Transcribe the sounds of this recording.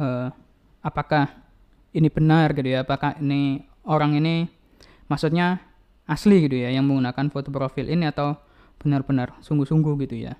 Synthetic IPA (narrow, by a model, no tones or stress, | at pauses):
ə | apakah | inibənarɡit̪ujaːpakahini | oɾaŋini | masut̪̚ɲa | asliɡit̪ujajaŋməŋɡunakanfot̪opɾofɪlʔiniat̪aw | b̥ənarbənarsuŋɡusuŋɡuhɡit̪uja̰